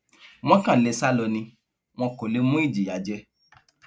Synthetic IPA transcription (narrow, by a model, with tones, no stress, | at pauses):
w̃ɔ̃˦kã˦˨lɛ˧˨sa˦lɔ˧nĩ˧ | w̃ɔ̃˧ko˨le˨˦mũ˦i˦˨d͡ʒi˨ja˨˦d͡ʒɛ˦